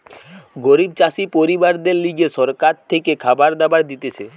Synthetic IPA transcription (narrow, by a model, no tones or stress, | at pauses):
ɡoɾib̚t͡ɕaʃipoɾibaɾd̪eɾliɡeʃɔɾkaɾt̪ʰekekʰabaɾd̪abaɾd̪it̪et͡ɕʰe